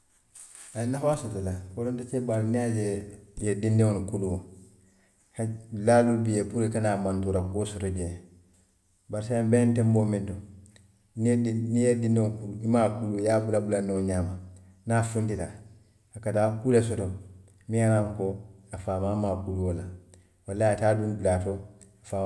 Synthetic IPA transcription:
ajinːafasotolakoɾontatebaɾniad͡ʒejedindeŋonkuluo | laːlulbijepuɾikanaːmãntuɾakosotoɟe | baɾisaabentemboːmĩnto | niinijedindeŋokuluimaːkulujaːbulabulanioɲaːma | nafũntita | akataːkuːlesɔto | mĩanaŋkoafaːmamaːkuluola | walːaataːdunbulaːto | afa

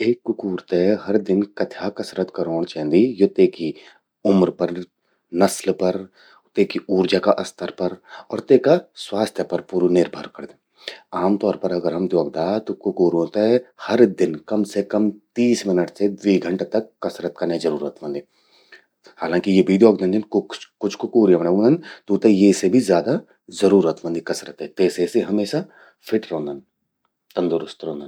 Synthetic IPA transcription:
eːkːʊkuːɾt̪eɦɐɾd̪ɪnkɐt̪ʰjakɐsɾət̪kɐɾoːɽ̃t͡ʃaɦnd̪ijot̪eːki | ʊmɾpɐɾ | nɐslpɐɾ | t̪eːkiuːɾd͡ʒakaʔɐst̪ʰəɾpɐɾɔ̰ːɾt̪eːkaswaːst̪ʰjəpɐɾpuːɾunɪɾbʱa̰ːɾkɐɾd̪e | aːmt̪ɔːɾpɐɾɐɡəɾɦɐmd̪joːɡ̚d̪aːt̪okʊkuːɾɦõːt̪eɛhɐɾd̪ɪnkɐmsekɐmt̪iːsmɪnəʈsed̪ʋiːɡʱɐ̃ɳʈt̪ɐkːɐsɾət̪̚kanɐjizɐɾuːɾət̪ʋɐ̃nd̪i | haːlãːŋkijeːbʱid̪joːɡ̚d̪ãnd̪ɪnkʊt͡ʃkʊt͡ʃʰkʊkuːɾjɐmɐɳõnd̪ənt̪oːt̪ejesebʱizjaːd̪a | zɐɾuːɾət̪ʋɐ̃nd̪ikɐsɾət̪ɦɛt̪eːseseɦɐmeːʃa | fʰɪʈɾõːnd̪ən | t̪ɐ̃nd̪ʊɾʊst̪ɾõːnd̪ən

